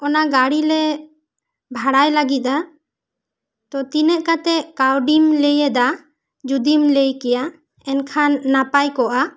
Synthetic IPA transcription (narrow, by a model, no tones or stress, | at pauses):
ɔnaɡaɽilɛ | bʱaɽajlaɡit̪̚ˀa | t̪ɔt̪inɛʔ̚kat̪ɛʔkawɖimlejɛd̪a | d͡ʒud̪imlejkɛja | ɛnkʰanːapajkɔʔa